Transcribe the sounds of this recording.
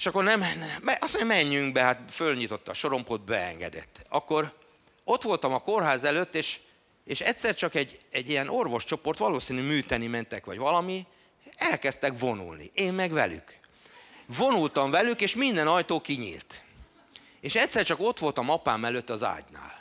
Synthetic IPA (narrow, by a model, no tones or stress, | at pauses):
eʃɒkːo̞rnɛmnmɛɒsoɲɒmɛɲːyŋɡbɛɦat̪følɲit̪o̞t̪ːɒ̰ʃo̞ɾo̞mpoːd̪̚bɛɛ̰ŋɡɛ̰d̪ɛ̰t̪ːɒkːo̞ɾ | o̞t̪ʋo̞lt̪ɒmɒko̞rɦaːzɛløt̪ːeːʃ | eːʃɛt̪ʲsɛrt͡ʃɒkɛɟːɛɟːiɛno̞rʋo̞ʃt͡ʃo̞po̞rt̪ʋɒloːsinymyːt̪ɛnimɛnt̪ɛkʋɒ̰ɟʋɒlɒmi | ɛlkɛst̪ɛkvo̞nṵlnḭʔeːmmɛɡʋɛ̰ly̰k | vo̞nult̪ɒɱvɛlykeːʃmind̪ɛnɒjt̪oːkiɲḭːlt̪ | eːʃɛcʲsɛrt͡ʃɒko̞t̪ʋo̞lt̪ɒmɒpaːmɛløt̪ːɒza̰ːɟna̰ːl